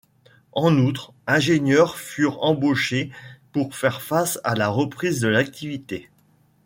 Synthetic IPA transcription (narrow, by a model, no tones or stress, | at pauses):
ɑ̃nut̪χ | ɛ̃ʒenɲjœʁfyʁɑ̃boʃepuʁfɛʁfasa̰laʁəpχizd̪əlak̚t̪ivit̪e